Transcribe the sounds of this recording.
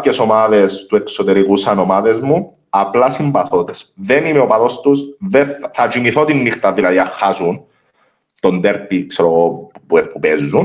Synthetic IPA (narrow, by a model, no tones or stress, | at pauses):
ceso̞maðest̪ueksot̪eɾikusɐno̞maðezmu | ɐplɐsimbɐθot̪esðenimeopɐðost̪usðeθɐt͡ʃimiθot̪inːixt̪ɐðilɐðiɐxːasun | t̪o̞nd̪eɾpikseɾoɣopuepupezːun